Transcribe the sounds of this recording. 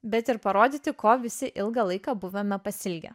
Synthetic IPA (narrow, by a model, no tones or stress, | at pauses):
bʲɛt̪ɪɾpɐɾoːd̪ʲiːt̪ʲɪkoːʋʲɪsʲɪʔɪlˠɡɐlˠɐɪkɑːbʊʋʲɛmʲɛpɐsʲɪlʲɡʲɛ̰